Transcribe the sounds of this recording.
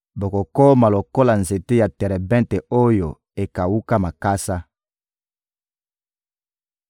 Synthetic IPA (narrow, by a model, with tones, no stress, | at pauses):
bo˨ko˨ko˦ma˨lo˨ko˦la˨nze˨te˦ja˨tɛ˨ɾɛ˨bɛ̃˦nte˨o˦jo˨ | e˨ka˨wu˦ka˦ma˨ka˦sa˦